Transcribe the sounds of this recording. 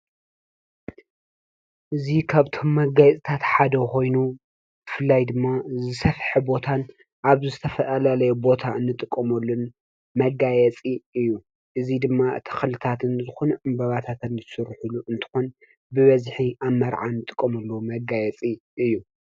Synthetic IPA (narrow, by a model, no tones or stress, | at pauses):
ʔɨzikʰaβt̪ʰo̞mːɐɡajt͡sʼit̪ʰat̪ħad̪ɐko̞jnu | b̥ɨfɨlːajd̪ɨmːazɨsɐfħɨbo̞t̪ʰan | ʔaβzɨt̪ʰɐfɐʔalalɐjubo̞t̪ʰaɨnːɨt̪ʼɨkʼːɐmɐlːun | mɐɡajɛt͡sʼiɨjːu | ʔɨzid̪ɨmːat̪ʰɐ̥xlɨt̪ʰat̪ɨnzɨxonʕɨmbɐβat̪ʰat̪ɨnzɨsɨɾħuluʔɨnt̪ʰɨ̥xon | bɨβɐzħiʔamːɐɾʕanɨt̪ʼɨkʼːɐmɐlːomɐɡajɛt͡sʼiʔɨjːu